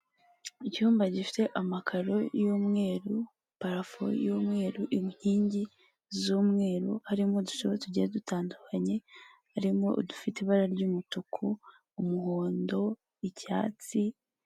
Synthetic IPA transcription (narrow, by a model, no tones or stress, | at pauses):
icuːmbaɟifi̥te̞ʔamakʰaɾo̞̰juːmŋe̞ːɾu | paɾafo̰juːmŋe̞ːɾuʔimhiːɲɟi | zuːmŋe̞ːɾuhaɾimo̞duʃoβotuɟeadutaːndukʰaɲe̞ | haɾimo̞ʔdufiteiβaɾaɾɟuːmutukʰuː | muhoːndo̞ | ica̰ːt͡si